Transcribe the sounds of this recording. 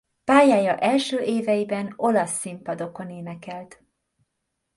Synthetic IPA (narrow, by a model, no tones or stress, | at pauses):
paːjaːjɒʔɛlʃøːʔeːvɛjibɛno̞lɒsːimpɒd̪o̞ko̞neːnɛkɛlt̪